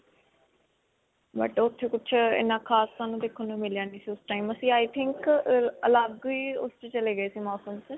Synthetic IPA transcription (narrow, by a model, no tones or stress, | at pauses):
bə̰ʈʊt̪ʰːeːkʊt͡ʃʰɪ̰nãːkʰaːsːaːnũːd̪eːkʰːənũːmɪljãːniːsiːʊsʈaːiːməsĩːaːjt̪ʰɪŋkəlaːbɡoiːʊ̰st͡ʃːt͡ʃəleːɡəeːsiːmɔːsəmt͡ʃ